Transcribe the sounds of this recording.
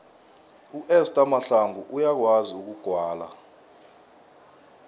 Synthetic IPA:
uʔɛstʼamaɬaŋuʔujak̬waziuk̬uɡ̥ʱwaːla̰

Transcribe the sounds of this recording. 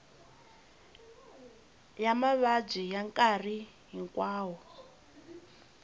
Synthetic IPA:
jamaβab͡ʐijaŋkʼari | ɦiŋkʼwaːwɔ

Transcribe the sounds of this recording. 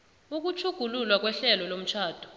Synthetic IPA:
uk̬ut͡ʃʰuɡ̥ʱululwak̬wɛɬɛlɔlom̩t͡ʃʰaːd̥ʱɔ̥

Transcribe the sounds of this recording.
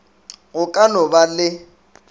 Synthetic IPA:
ɣʊkʼanɔbalɪ

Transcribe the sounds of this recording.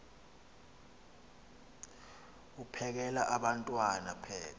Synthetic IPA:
upʰɛk̬ɛlaʔaɓantʼwanapʰɛːla

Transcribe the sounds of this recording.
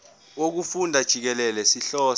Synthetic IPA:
wok̬ufundʱad̥ʒ̥ʱik̬ɛlɛlɛsiɬɔː

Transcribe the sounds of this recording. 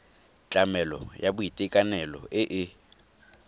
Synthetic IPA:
t͡ɬʼamɛlɔ̰jabʊitʼɪkʼanɛlɔ̰ʔɪʔɪ

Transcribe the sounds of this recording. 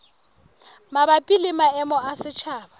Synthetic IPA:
mabapʼilɪmaɛmɔasɪt͡ʃʰaːba

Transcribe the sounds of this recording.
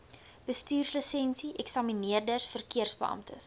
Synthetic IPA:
b̥əstyːrsləsɛnsiʔɛksɐminiərdərsfərkiərsbəʔɐ̰mtəs

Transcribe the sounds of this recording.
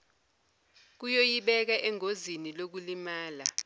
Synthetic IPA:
k̬ujojiɓɛk̬ɛʔɛŋozinilok̬ulimaːla

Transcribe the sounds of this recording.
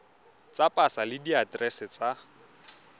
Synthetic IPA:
t͡sapʼasalɪdiatrɛsɛt͡sʼa

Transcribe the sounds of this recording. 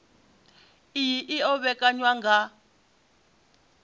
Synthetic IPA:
ijiʔiɔβɛkʼaɲwaŋɡʱa

